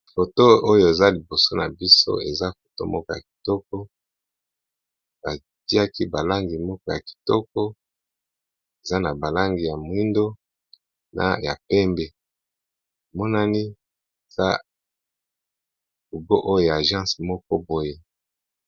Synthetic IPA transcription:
fo˨to˦o˦jo˦˨e˨za˦li˨bo˨so˦na˨bi˦so̰˦e˨za˦fo̥˨to̰˦mɔ˦kɔ˦ja˨k̚i̥˨tɔ˦kɔ˦ | ba˨ | ti˦a˦ki˦ba˨la˦ŋɡi˨mɔ˦kɔ˦ja˨ki̥˨tɔ˦kɔ˦ | e˨za˦na˨ba˨la˦ŋɡi˨ja˨m˨˦i˦ndo˦ | na̰˨ja˨pɛ˦mbe˦˨ | mɔ˦na˦ni˦ | e˨za̰˦ | ku˨ɡo˦ʔo˦jo˨ja˨ʒã˦smɔ˦kɔ˦bo˨je˦

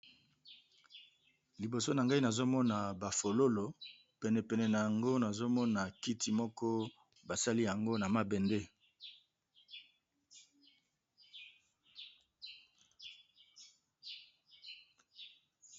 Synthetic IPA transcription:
li˨bo˨so˦na˨ŋɡa˦i˦na˨zo˦mɔ˦na˨ba˨fo˨lo˦lo˨ | pɛ˨nɛ˨pɛ˨nɛ˨na˨ja˨ŋɡo˦na˨zo˦mɔ˦na˨ki˦ti˨mɔ˦kɔ˦ | ba˨sa˦li˦ja˨ŋɡo˦na˨ma˦bɛ˨nde˦

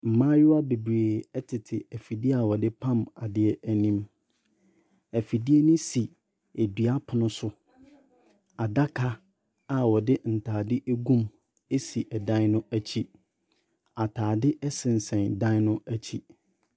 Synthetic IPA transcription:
m̩˨mãː˦jʊ˦a˦be˨bɾeː˨ɛ˦tʰɪ˨tʰɪ˨æ˨fi˨di˦a˨wɔ˨dɪ˦pʰã˦˨ma˨dɪ˦ɛ˦ʔæ˨nĩ˦m | æ˨fi˨di˦e˦nʊ̃˦si˨ | e˨dɥa˦pʰʊ˨nʊ̃˦sʊ˦ | a˨da˦kʰa˦ | a˨wɔ˨dɪ˦n̩˨tʰaː˨dɪ˦ʔe˦ɡũ˦m | e˦si˨ʔɛ˨dã˦nʊ̃˦æ˦t͡ɕʰi˦ | a˨tʰaː˨dɪ˦ʔɛ˦sɪ̃˨n̩˨sɛ̃˨ndã˦n˦nʊ̃˦æ˦t͡ɕʰi˦

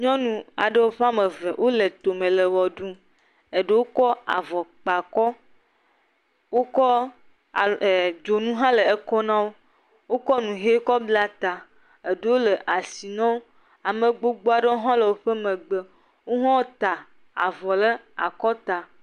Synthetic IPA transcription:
ɲɔ̃˦nũ˨a̰˨ɖə˦wo˦ɸe˦a˦mə˨ve˨wʔo˦le˨t̪o˨mẽ˨lə˨wɔ˨ɖu˦ | e˨ɖə˦wo˦kɔ˦a̰˨vɔ˨k͡pa˨kɔ˦ | wo˦kɔ˦˨ | d͡ʒo˨nũ˦ɦã˦lə˨e˦kɔ˦nã˦wo˦ | wo˦kɔ˦nũ˨ɦe˦kɔ˦bla˦t̪a˨ | e˨ɖə˦wo˦lə˨ʔa˨si˨nã˦wo˦ | a˨mẽ˨ɡ͡bo˦ɡ͡bo˦a˨ɖə˦o˦ɦɔ̃˦lə˨wo˦ɸe˦mẽ˨ɡ͡bə˨ | wo˦ɦɔ̃˦wt̪a˨ | a̰˨vɔ˨lə˦ | a̰˨kɔ˦t̪a˨

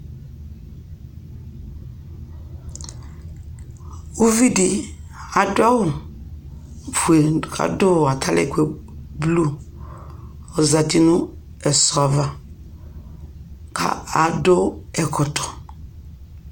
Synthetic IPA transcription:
u˦vi˦dɪ˨a˨dʊ˦a˦wʊ˨ | fu˨e˨kʰa̰˨do˦˨a˨tʰa˦lɛ̰˦˨kwe˦˨blu˦ | ɔ˨za˨ti˦nʊ̃˦ | ɛ˨sɔ˨a˨va˨ | kʰa̰˨a˨do˦ɛ˨kʰʊ˨tɔ̥˨

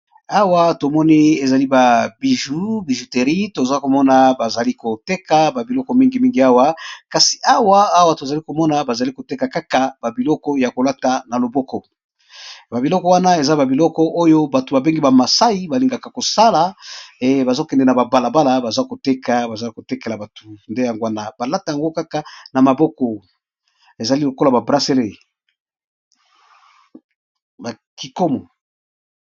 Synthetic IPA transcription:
a˦wa˦to˨mɔ˦ne˦e˨za˨li˦ba˨bi˨ʒu˦bi˨ʒu˨te˨ʁi˦to˨za˦ko˨mɔ˦na˨ba˨za˨li˦ko˨te˦ka˦ba˨bi˨lɔ˦kɔ˦mi˦ŋɡi˨mi˦ŋɡi˨a˦wa˦ka˨si̥˨ʔa˦waː˦wa˦to˨za˨li˦ko˨mɔ˦na˨ba˨za˨li˦ko˨te˦ka˨ka˦ka˨ba˨bi˨lɔ˦kɔ˦ja˨ko˨la˦ta˨na˨lo˨bɔ˦kɔ˦ | ba˨bi˨lɔ˦kɔ˦wa˦na˦e˨za˦ba˨bi˨lɔ˦kɔ˦ʔo˦jo˦ba˨to˨ba˨be˦ŋɡi˦ba˨ma˨sa˦i˦ba˨li˨ŋɡa˨ka˨ko˨sa˦la˨ | ba˨za˦˨kɛ˨ndɛ˨na˨ba˨ba˨la˨ba˦la˨ba˨za˦ko˨te˦ka˨ba˨za˦ko˨te˦ke˨la˨ba˨to˨nde˦ja˨ŋɡo˦a˦na˨ba˨la˦ta˨ja˨ŋɡo˦ka˦ka˨na˨ma˨bɔ˦kɔ˨ | e˨za˨li˦lo˨ko˦la˨ba˨bʁa˦se˦le˦˨ | ba˨ | ki˨ko˦mɔ˨

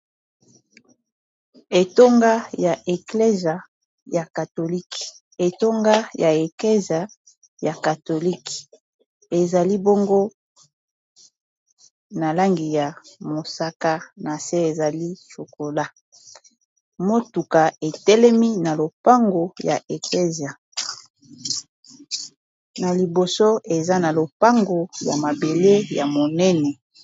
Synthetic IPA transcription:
e˨to˦ŋɡa˦ja˨ʔe˨kle˦za˨ | ja˨ka˨to˨li˦k | e˨to˦ŋɡa˦ja˨e˨kle˦za˨ | ja˨ka˨to˨li˦k | e˨za˨li˦bo˦ŋɡo˦ | na˨la˦ŋɡi˨ja˨mo˨sa˦ka˦na˨se˦e˨za˨li˦so˨ko˨la˦ | mo˦tu˨ka˨e˨tɛ˦lɛ˦mi˦na˨lo˨pa˦ŋɡo˨ja̰˨ʔe˨kle˦zja˨ | na˨li˨bo˨so˦e˨za˦na˨lo˨pa˦ŋɡo˨ja̰˨ma˨be˨le˦ja˨mo˨nɛ˦nɛ˨

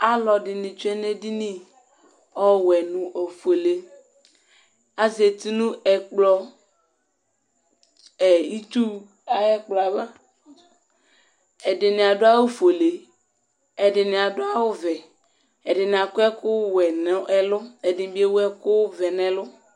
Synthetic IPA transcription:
a˦lɔ˨dɪ˨nɪ̃˨t͡ʃu˦ɛ˦ne˦di˦nĩ˦ | ɔ˦wɛ˨nũ˨ʔo˨fo˨le˨ | a˦ze˨t̪i˦nũ˦ɛ˨k͡plɔ˦ | ɛ˨i˦tu˦ | a˨ɛ˦k͡plɔ˨a˨ba˦ | ɛ˨dɪ˨nɪ˨a˨dʊ˦a˦wo˦fo˨le˨ | ɛ˨dɪ˨nɪ˨a˨dʊ˦a˦wʊ˦vɛ˨ | ɛ˨dɪ˨nɪ˨a˨kʊ˦ɛ˦kʊ˦wɛ˨n˨˦ɛ˦lʊ˦ɛ˨dɪ˨˦bi˦e˦wɛ˦kʊ˦vɛ˨nɛ˨lʊ˦

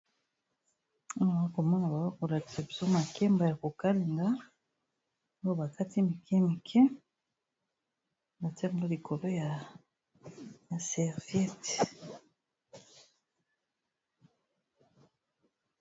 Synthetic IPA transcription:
o˦jba˨a˦ko˨mɔ˦na˨ba˨wa˦ko˨la˨ti˨a˨bi˨so˦ma˨kɛ˦mba˨ja˨ko˨ka˦li˨ŋɡa˦ | jo˦ba˨ka˦ti˦mi˨kʰɛ˦mi˨kʰɛ˦ | ba˨tɛ˦˨ɡo˦li˨kʰo˨lo˦ja˨ | ja˨sɛ˨ʁvɛ˦t

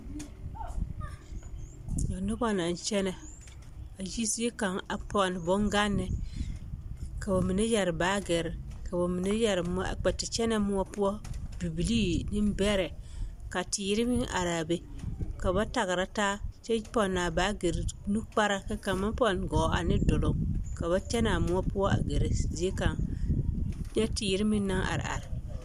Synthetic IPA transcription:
jɔ˨nːʊ˦bɔ˦na˨n˨t͡ʃɛ˦nɛ˨ | a˨d͡ʒi˦si˦e˦ka˨ŋa˨pɔ˨n˨bɔ˦ŋɡa˦nːɪ˨ | ka˨ba˨mi˨ne˦jɛ˨ɾbaː˨˦ɡɛ˨ɾka˨ba˨mi˨ne˦jɛ˨ɾm˦ɔ˦a̰˨k͡pɛ˨ti˨t͡ʃɛ˦nɛ˦mu˦ɔ˦pu˦ɔ˦bi˨bi˨liː˦ni˦m˦bɛ˦ɾɛ˨ka˨tɪ˨ji˦ɾi˦mi˦ŋʔa̰˨ɾa˨be˦ka˨ba˦ta˨ɣɾa˦taː˦t͡ʃɛ˦pɔ˨nːaː˨ba˨˦ɡe˨ɾnu˦k͡pa˦ɾa˦ka˦ka˨mːa˦npɔ˦nɡɔ˨˦a̰˨nɪ˦do˨lo˦mka˨βa˦t͡ʃɛ˦na˨mu˦ɔ˦pu˦ɔ˦a̰˨ɡe˨ɾe˨zi˦e˦ka˨ŋ | ɲɛ˦ti˨ji˦ɾi˦mi˦n˦na˦ŋʔa̰˨ɾ̰a̰˨ɾɪ˨

